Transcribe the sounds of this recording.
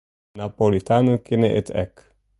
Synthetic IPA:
napolit̪anukineʔit̪ʰɛ̰k

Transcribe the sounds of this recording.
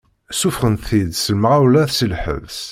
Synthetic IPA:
sufʁəntθid̪səlmʁawlæθsilħə̰vs

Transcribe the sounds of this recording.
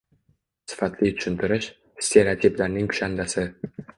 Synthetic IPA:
sɪ̥fat̪lit̪ʰʊ̥ʃɪnt̪ʰɪɾɪʃ | st̪ʲʰeɾat̪ʰiplaɾnɪŋkʰʊ̥ʃand̪asɪ

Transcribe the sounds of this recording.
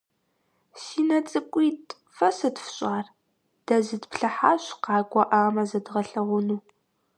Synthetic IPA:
siːnɐt͡sʼɨkʷʼiːtʰʼ | fɐsɐdfɕʼaːr | d̥ɐzɨdpɬɐħaːɕqɑːɡʷʼɔʔaːmɐzɐdʁɐɬɐʁʷʊnuː

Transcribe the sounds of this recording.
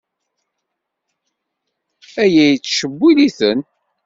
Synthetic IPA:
æjæjt͡sːʃəbːiliθən

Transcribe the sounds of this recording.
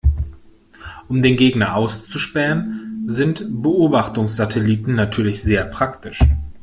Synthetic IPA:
ʔʊmdeːnɡeːɡnɐʔaʊst͡suʃpɛʁənzɪntb̥əʔoːbaχtʊŋsz̥atʰɛliːtn̩natʰyːɐlɪçz̥eːɐpʁ̥aktʰɪʃ

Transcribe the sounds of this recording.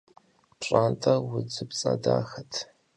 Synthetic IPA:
pɕʼaːntʼɐwʊd͡zɨpt͡sʼɐ̰daːxɐtʰ

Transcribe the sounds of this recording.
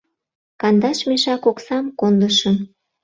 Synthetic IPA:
kɑnd̪ɑʃmeʃɑkoksɑmkond̪əʃəm

